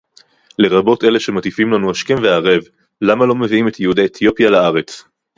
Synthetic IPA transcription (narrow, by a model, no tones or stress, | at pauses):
le̞ʁabo̞te̞le̞ʃe̞matifimlanuaʃke̞nveaʁe̞v | lamalo̞me̞viime̞t̪jehudeet̪ʰjopjalaaʁe̞t͡s